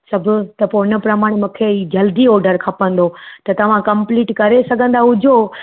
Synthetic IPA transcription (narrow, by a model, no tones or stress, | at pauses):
sɐbʱʊ̆t̪ɐpoɪnə̆pɾɐmaːɽ̃emũkʰeid͡ʑɐld̪iɔːɾɖəɾkʰɐpə̃nd̪ot̪ɐt̪ɐʋ̤ãkɐ̃mpliːʈkɐɾesɐɡʱə̃nd̪aɦʊd͡ʑʱo